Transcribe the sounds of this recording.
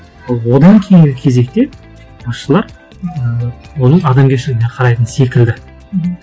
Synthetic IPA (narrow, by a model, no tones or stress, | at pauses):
ɑlˠwo̞d̪ɑŋkʲʰejɪŋɡʲɪkʲʰe̞ze̞k̚t̪e̞ | bɑsʃəlˠɑɾ | əwo̞nəɴɑd̪ɑmɡʲeʃɪlɪɡʲɪneqʰɑɾɑjt̪ənse̞kʲɪld̪ɪ